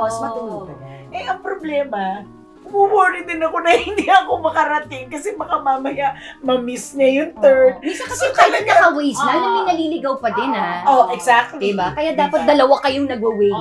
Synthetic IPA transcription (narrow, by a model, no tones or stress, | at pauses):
smɐʔɛʔɐŋpɾoblɛːmɐ | kʊmuwoːnɪd̪ɪnɐko̞nɐhɪnd̪iʔɐkomɐkɐɾɐt̪ɪŋkɐsɛmɐkɐmaːmɐjaʔmɐmɪsnɐjʊnt̪ɛɹd̪̚miːsɐkɐsɛʊkajɐnɐkɐwejsnɐnɐmɐjnɐliːlɪɡɐwpɐd̪ɪnaʔoʔɛɡsak̚t̪ldibakɐjad̪aːpɐt̪̚d̪ɐlɐwakɐjoŋnɐɡɐwɛj